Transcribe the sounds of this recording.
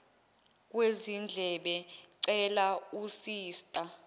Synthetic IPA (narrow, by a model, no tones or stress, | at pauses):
k̬ʼwezind͡ɮʱɛɓɛǀɛlausiːstʼa